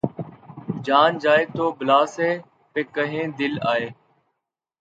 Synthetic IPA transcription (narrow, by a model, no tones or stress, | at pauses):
d͡ʒaːnd͡ʒaːeːt̪oːblaːseː | peːkəɦẽːd̪ɪlaːeː